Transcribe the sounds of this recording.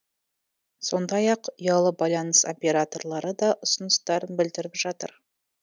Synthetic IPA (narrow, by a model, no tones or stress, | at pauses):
so̞nd̪ɑjɑqʊjɑlˠəbɑjlˠɑnəso̞̰pʲe̞ɾat̪o̞rlˠɑɾəd̪ɑʔʊsənəst̪ɑɾənbɪld̪ɪɾɪpʒɑt̪ə̰ɾ